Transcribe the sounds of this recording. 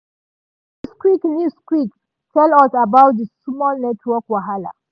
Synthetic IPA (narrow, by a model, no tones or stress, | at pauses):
dəskwiknjuskwik | tʰɛlasabawt̚dəsumɔlnɛtʰwɔkwaɦala̰